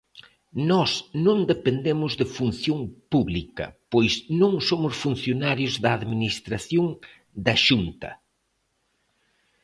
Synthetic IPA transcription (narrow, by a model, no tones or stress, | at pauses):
nɔsnõnd̪epend̪emʊzðɪfun̟θjõŋpuβlikɐ̰pojsnõŋsomʊsfun̟θjonaɾjʊzðɐːðminist̪ɾaθjoŋ | d̪ɐʃunt̪ɐ̰